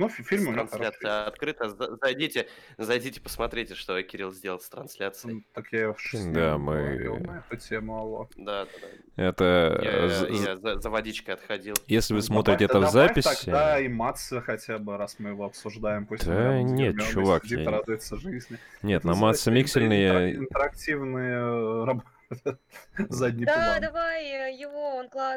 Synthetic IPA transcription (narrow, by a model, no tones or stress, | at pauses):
nufʲilʲmʊɾɐnslʲat̪sɨjəɐt̪kɾɨt̪əzzɐjdʲitʲɪ | zɐjdʲitʲɪ̥pə̥smɐt̪ɾʲetʲɪʂt̪okʲɪɾʲilˠzʲdʲe̞lˠlˠst̪ɾɐnsʲlʲat̪sɨjt̪ɐkjafʂd̪amɨnɛt̪ʊtʲemʊɐlˠod̪ad̪ad̪a | ɛt̪ə | zəzəvɐdʲit͡ɕkəɐt̪xɐdʲilˠjesʲlʲɪvɨsmo̞t̪ɾʲɪtʲɪɛt̪əvzapʲɪsʲɐɡɪd̪aimat̪səxɐtʲabɨɾasmɨjɪvoɐpsʊʐd̪ajɪmposʲd̪ənʲet̪mʲt͡ʃːʊvakʲiɾad̪ʊjʊt̪səʐɨzʲnʲɪnʲet̪nɐmat̪sːɨmʲiksʲɪlʲnɨjəɪnt̪əɾɐk̚tʲivnɨjərɐboəzadʲnʲɪɪadɐajjɪvoonklˠa